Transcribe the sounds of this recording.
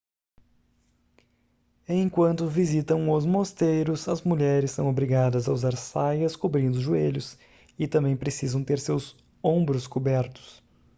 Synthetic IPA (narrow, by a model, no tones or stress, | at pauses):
ẽkwɐ̃nt̪ʊvizit̪ɐ̃w̃ʊzmost̪ejɾʊsɐzmuʎɛɾɪsːɐ̃w̃obɾiɡad̪ɐzɐuzaɾsajɐskobɾĩnd̪ʊʒueʎʊs | ɪt̪ɐ̃mbẽj̃pɾesizɐ̃w̃t̪eɾsewz | õbɾʊskobɛɾt̪ʊ̥s